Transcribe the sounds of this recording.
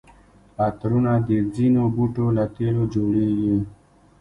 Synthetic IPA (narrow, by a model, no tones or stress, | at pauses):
at̪ɾunad̪ed͡zinobuʈolat̪elod͡ʒoɽeɡi